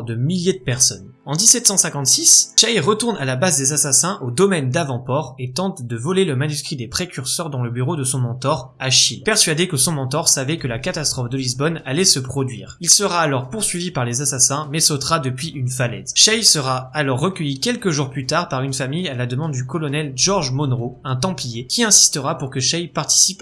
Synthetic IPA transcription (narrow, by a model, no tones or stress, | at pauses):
d̪əmiljed̪əpɛʁsɔn | ɑ̃d̪isɛt̪sɑ̃sɛ̃kɑ̃t̪sisʃajʁət̪uʁnalabazd̪ezasasɛ̃ʔod̪ɔmɛnd̪avɑ̃pɔʁet̪ɑ̃t̪d̪əvɔleləmanyskχid̪epχekʲyʁsœʁd̪ɑ̃ləbyʁod̪əsɔ̃mɑ̃t̪ɔʁ | aʃilpɛʁsɥad̪ekəsɔ̃mɑ̃t̪ɔʁsavɛkəlakat̪ast̪χɔfd̪əlizbɔnalɛsəpχɔd̪ɥḭːʁilsəʁaːlɔʁpuʁsɥivipaʁlezasasɛ̃mɛsot̪χad̪əpɥiʔynfalɛ̰zʃɛjsəʁaːlɔʁːəkʲəjikʲɛlkəʒuʁplyt̪aʁpaʁynfamijalad̪əmɑ̃d̪d̪ykɔlɔnɛlʒɔʁʒmɔnʁoɛ̃t̪ɑ̃pijekʲʰiɛ̃si̥st̪əʁapuʁkəʃɛjpaʁt̪i̥sip